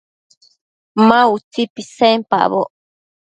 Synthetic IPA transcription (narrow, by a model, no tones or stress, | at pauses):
mãut͡sipisempa̰βoʔ